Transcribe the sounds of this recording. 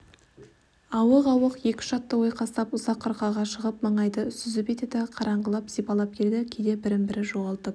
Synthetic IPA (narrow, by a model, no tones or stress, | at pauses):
ɑwəqɑwəqje̞kʲɪ̥ʃɑt̪ːəwo̞jqʰɑst̪ɑpʊzɑqʰːəɾqɑʁɑʃəʁəp̚mɑɴɑjd̪əʏsʏzɪpe̞t̪ed̪ɪqʰɑɾʔɑɴʁəlˠɑpzijpɑlˠɑp̚kʲʰe̞ld̪ɪkʲʰed̪e̞bɪɾɪmbɪɾɪʒoʁɑlˠt̪ə